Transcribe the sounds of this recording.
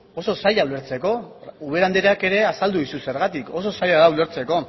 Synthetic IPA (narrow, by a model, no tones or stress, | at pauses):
o̞so̞saʎawle̞ɾt͡se̞ko̞uβ̞e̞ɾand̪eɾeake̞ɾe̞asald̪uðisuse̞ɾɣat̪ikʰo̞so̞sajaðaule̞ɾt͡se̞ko̞